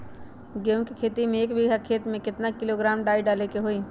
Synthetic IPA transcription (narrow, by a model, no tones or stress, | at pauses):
ɡeũkikʰeːt̪imẽːkbʱiɡʱakʰeːt̪mẽkɪt̪nakɪloɡɾaːmɖaːiɖaːlekeɦoiː